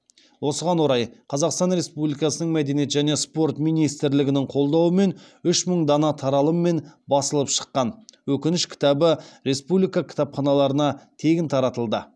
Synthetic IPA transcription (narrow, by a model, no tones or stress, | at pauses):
wʔo̞səʁɑnwoɾɑjqʰɑzɑqst̪ɑnɾe̞spublijkɑsənəɴmæd̪e̞nije̞t̪ʒæne̞spo̞ɾt̪mijnijst̪ɪɾlɪɡʲɪnɪŋqʰo̞lˠd̪ɑwəme̞nʏʃməɴd̪ɑnɑt̪ʰɑɾɑlˠəmːe̞nbɑsəlˠəpʃə̥qːɑnwɵkʲɪnɪʃkʲʰɪ̥t̪ɑbəɾe̞spublijkɑkʲʰɪ̥t̪ɑpχɑnɑlˠɑɾənɑt̪ʰe̞ɡʲɪnt̪ʰɑɾɑt̪əlˠd̪ə